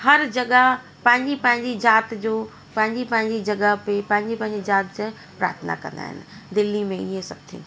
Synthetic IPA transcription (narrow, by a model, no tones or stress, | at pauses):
hɐɾd͡ʑɐɠəɦ | pɐ̃ɦɪ̃ɲd͡ʑipɐ̃ɦɪ̃ɲd͡ʑid͡ʑaːt̪d͡ʑoː | pɐ̃ɦɪ̃ɲd͡ʑipɐ̃ɦɪ̃ɲd͡ʑid͡ʑɐɠəɦpepɐ̃ɦɪ̃ɲd͡ʑipɐ̃ɦɪ̃ɲd͡ʑid͡ʑaːt̪d͡ʑə | pɾa̰ːɾət̪ʰəna̰kɐ̰̃nd̪a̰ːɦɪ̰nɪ̆d̪ɪlːimẽiɦẽsɐb̚t̪ʰḭː